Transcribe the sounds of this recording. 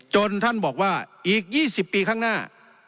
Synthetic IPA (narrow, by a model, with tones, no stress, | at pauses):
t͡ɕo˧nt̪ʰa˥˩nbɔː˨˩k̚waː˥˩ʔiː˨˩k̚jiː˥˩si˨˩pːiː˧kʰaː˥˩ŋnaː˥˩